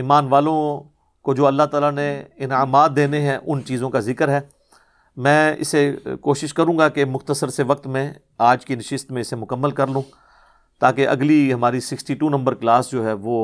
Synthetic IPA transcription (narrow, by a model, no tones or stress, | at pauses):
iːmaːnʋaːlõ | kod͡ʒoːɐlːaɦt̪aːlaneɪnaːmaːd̪̚ːeːneɦɛ̃ʔʊnt͡ʃiːzõkazɪkəɾɦɛː | mɛ̃ːɪ̰sekoːʃɪʃkɐɾũːɡakemʊxt̪əsəɾseʋɐk̚t̪mẽ | aːd͡ʒkinɐʃɪst̪mẽɪsemʊkəmːəlkɐɾlũː | t̪aːkeʔɐ̰ɡliɦɐmaːɾisɪksʈiːʈuːnɐ̃mbəɾklaːsd͡ʒoːɦɛːʋoː